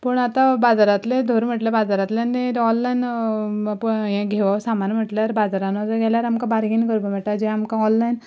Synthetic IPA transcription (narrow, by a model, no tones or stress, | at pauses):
pəɳat̪ãbad͡zaɾat̪led̪ʱoɾm̤əʈljabad͡zaɾat̪lenet̪ɔnlajn | pəjãɡʱeʋaʋsamanm̤əʈljaɾbad͡zaɾanat̪əɡʱɛljaɾamkãbaɾɡinɡəɾbəm̤əʈad͡ʑiamkãɔnlajn